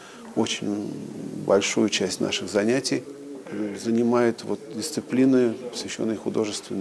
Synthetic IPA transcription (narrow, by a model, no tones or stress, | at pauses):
ot͡ɕɪnʲ | bɐ̰lʲʂujʊt͡ɕæsʲtʲnʔa̰ʂɨɣzɐnʲætʲɪj | zənʲɪmajʊt̪vo̞t̪̚dʲɪst̪sɨplʲinɨpə̥svʲɪɕːo̞̰nːəjxʊd̪o̞ʐɨst̪vʲɪn